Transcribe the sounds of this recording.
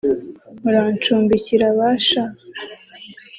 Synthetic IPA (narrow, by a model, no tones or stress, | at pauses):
muɾaːnt͡ʃuːmbiciɾaβaʃa